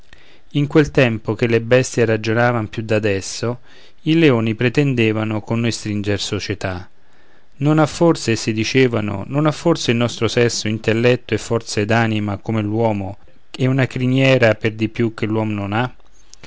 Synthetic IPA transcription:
iŋkwelt̪ɛmpok̟elːebɛst̪jerad͡ʒonaːvampjud̪ːad̪ɛsːo | ileoːnipɾet̪end̪ɛːvanʊkonːojst̪ɾind͡ʒersot͡ʃet̪a | nonafːort̪sesid̪it͡ʃeːvano̰nonafːort̪seilnɔst̪ɾosɛsːoint̪elːɛt̪ːoefːɔrt̪sed̪aːnimakomelwɔːmo | eunakɾinjɛːɾaperd̪ipjuk̟ːelːwɔːmonona

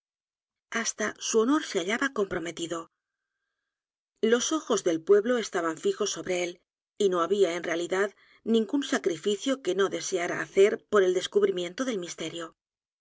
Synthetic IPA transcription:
ast̪asuo̞no̞ɾseaʎaβako̞mpɾo̞me̞t̪iðo̞ | lo̞so̞xo̞zðe̞lpwe̞βlo̞e̞st̪aβaɱfixo̞sːo̞βɾe̞e̞l | ino̞aβiae̞nre̞aliðað | nĩŋɡunsakɾifiθjo̞ke̞no̞ðe̞se̞aɾa̰ːθe̞ɾpo̞ɾe̞ld̪e̞skuβɾimje̞nt̪o̞ðe̞lmist̪e̞ɾjo̞

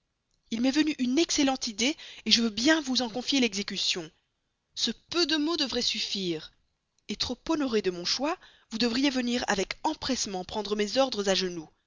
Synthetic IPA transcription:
ilmɛvənyʔynɛkselɑ̃t̪id̪eeʒəvøbjɛ̃vuzɑ̃kɔ̃fjelɛɡzekʲysjɔ̃ | səpød̪əmod̪əvʁɛsyfiːʁ | et̪χopɔnɔʁed̪əmɔ̃ʃwa | vud̪əvʁijevəniʁa̰vɛkɑ̃pχɛsmɑ̃pχɑ̃d̪ʁəmezɔʁd̪ʁəzaʒənu

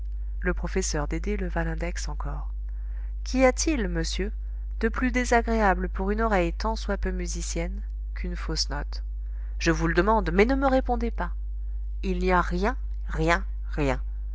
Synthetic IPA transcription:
ləpχɔfɛsœʁd̪ed̪eləvalɛ̃d̪ɛksɑ̃kʰɔːʁ | kʲiat̪ʰilməsjø | d̪̥əplyd̪ezaɡʁeabləpuʁynɔʁɛjt̪ɑ̃swapømyzisjɛn | kʰynfosnɔt̪ | ʒ̥əvuləd̪əmɑ̃d̪mɛnəməʁepɔ̃d̪epa | ilniaʁjɛ̃ | ʁjɛ̃ | ʁjɛ̃

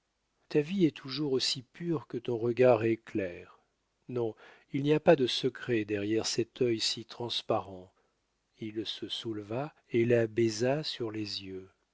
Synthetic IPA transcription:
t̪aviɛt̪ʰuʒuʁosipyʁkət̪ɔ̃ʁəɡaʁɛklɛːʁ | nɔ̃ilniapad̪əsəkχed̪ɛʁjɛʁsɛt̪œjsit̪χɑ̃spaʁɑ̃ | ilsəsulva | elabɛzasyʁlezjø

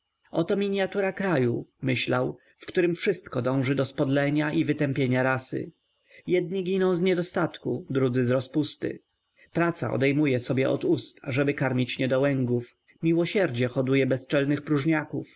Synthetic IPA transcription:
ɔt̪ɔmʲiɲjat̪uɾakɾajumɘɕlaw | fkt̪uɾɘmfʂɘst̪kɔd̪ɔ̃w̃ʐɘd̪ɔspɔd̪lɛɲaʔivɘt̪ɛmpʲjeɲaɾasɘ̰ | jɛd̪̚ɲiɡʲinɔ̃w̃zɲɛd̪ɔst̪at̪kud̪ɾud̪zɘzɾɔspust̪ɘ̰ | pɾat̪sa̰ɔ̰d̪ɛjmujɛsɔbʲjɛʔɔ̰d̪ust̪a̰ʐɛbɘkaɾmʲit͡ɕɲɛd̪ɔwɛŋɡuf | mʲiwɔɕɛɾd͡ʑɛxɔd̪ujɛbɛst͡ʂɛlnɘxpɾuʐɲakuf

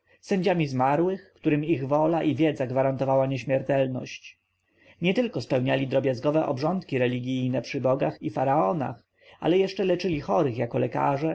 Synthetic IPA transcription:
sɛɲd͡ʑamʲizmaɾwɘxkt̪uɾɘmiɣvɔlaʔivʲjɛd̪zaɡvaɾant̪ɔvawaɲeɕmʲɛɾt̪ɛlnɔ̰ɕt͡ɕ | ɲɛt̪ɘlkɔspɛwɲalʲid̪ɾɔbʲjazɡɔvɛʔɔbʐɔnt̪kʲiɾɛlʲiɡʲijnɛpʂɘbɔɡaxifaɾaɔna̰x | a̰lɛjɛʂt͡ʂɛlɛt͡ʂɘlʲixɔɾɘxjakɔlɛka̰ʐɛ

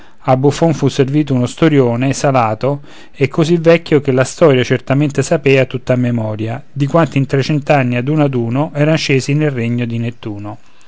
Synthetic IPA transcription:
abːufoɱfusːerviːt̪̬ounost̪oɾjoːnesalaːt̪o | ekːozivɛkːjokelast̪ɔːɾjat͡ʃert̪ament̪esapɛːat̪ut̪ːamemɔːɾjad̪ikwant̪int̪ɾet͡ʃɛnt̪anːiad̪uːnad̪uːnoʔɛːɾant͡ʃːeːzinelrːeɲːod̪inet̪ːuːno

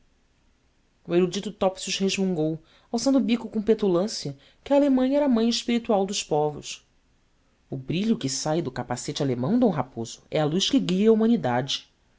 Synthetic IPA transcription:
ueɾud͡ʒit̪ʊt̪ɔpsiuʃheʒmũŋɡow | awsɐ̃nd̪ʊbikʊkõpet̪ulɐ̃siɐ | kɪaːlemɐ̃j̃ɐɛɾɐmɐ̃j̃ɪʃpiɾit̪uawd̪ʊʃpɔvʊ̰ʃ | ʊbɾiʎʊkɪsajd̪ʊkapaset͡ʃɪalemɐ̃w̃d̪õw̃ɦapoz̥ʊɛaluʃkɪɡiɐumɐ̃nid̪ad͡ʒɪ

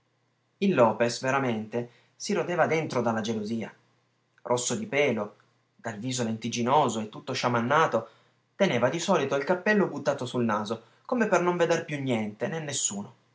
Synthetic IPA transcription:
ilːɔːpesveɾament̪e | siɾod̪eːvad̪ent̪ɾod̪alːad͡ʒeloziːa̰ | rʔosːod̪ipɛːlo | d̪alviːzolent̪id͡ʒinoːzoet̪ːut̪ːoʃamanːaːt̪o | t̪eneːvad̪isɔːlit̪oilkapːɛlːobut̪ːaːt̪osulnaːzo | komepernoɱved̪erpjunːjɛnt̪enenːesːuːno

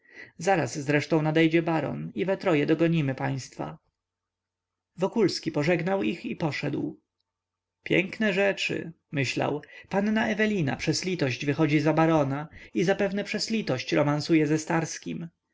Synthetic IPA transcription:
zaɾasːɾɛʂt̪ɔ̃w̃nad̪ɛjd͡ʑɛbaɾɔ̰nivɛt̪ɾɔjɛd̪ɔɡɔɲimɘpaj̃st̪fa̰ | vɔkulskʲipɔʐɛɡnawixipɔʂɛd̪w | pʲjɛ̰ŋknɛʐɛt͡ʂɘ̰ | mɘɕla̰wpanːaɛvɛlʲina̰pʂɛzlʲit̪ɔɕd͡ʑvɘxɔd͡ʑizabaɾɔnaizapɛvnɛpʂɛzlʲit̪ɔɕt͡ɕɾɔmansujɛzɛst̪aɾskʲim

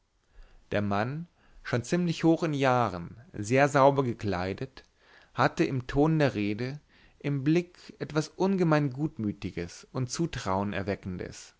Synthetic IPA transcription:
d̥eːɐman | ʃoːnt͡siːmlɪçhoːxɪnjaːʁənzeːɐzaʊbɐɡəkl̥a̰ɪdət | hatəɪmtʰoːndeːɐʁeːdə | ʔɪmblɪkʔɛtv̥asʔʊnɡəmaɪnɡuːtmyːtɪɡəsʊntt͡suːtʁ̥aʊənɛ̰ɐvɛkn̩də̰s

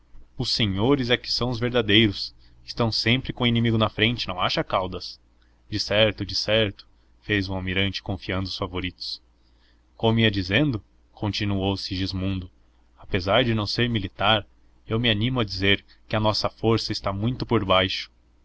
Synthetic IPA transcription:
ʊseɲoɾɪzɛkɪ̥sɐ̃w̃ʊzveɾd̪ad̪ejɾʊs | ɪ̥st̪ɐ̃w̃sẽmpɾɪkõinĩmiɡʊnɐfɾẽnt͡ʃɪnɐ̃w̃a̰ʃɐkawd̪ɐs | d͡ʒɪsɛɾt̪ʊd͡ʒɪsɛɾt̪ʊ̥ | fezũawmiɾɐ̃nt͡ʃɪ̥kõfiɐ̃nd̪ʊsfavoɾit̪ʊ̥s | kõmʊiɐd͡ʒizẽnd̪ʊ | kʰõnt͡ʃinuowsɪʒizmũnd̪ʊ | apezaɾd͡ʒɪnɐ̃w̃seɾmilit̪aɾ | ewmɪanĩmʊɐd͡ʒizeɾ | kɪɐnɔsɐfoɾsɐɪst̪amũj̃t̪ʊpoɾbajʃʊ̥

